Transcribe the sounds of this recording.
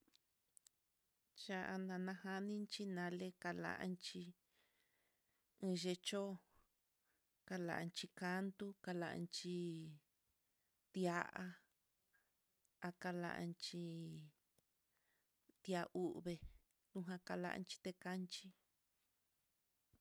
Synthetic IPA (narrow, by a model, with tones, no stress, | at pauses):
t͡ʃa˧ʔa˧nã˧nã˧ha˧nĩ˦nt͡ʃi˦nã˧le˦ka˧la̰˧ʔa̰˧nt͡ʃi˧ | ẽ˧ʒe˧t͡ʃo˦ | ka˧la̰˨ʔa˧nt͡ʃi˧ka˦nt̪u˦ka˧la̰˧ʔa̰˧nt͡ʃi˧ | t̪ja˧ʔa˧ | a˧ka˧la̰˧ʔa̰˧nt͡ʃi˧ | t̪ja˧ʔu˦ʔβe˧ | nũ˧ɦã˧ka˧la̰˧ʔa̰˧nt͡ʃi̥˧t̪e˧ka˦nt͡ʃi˦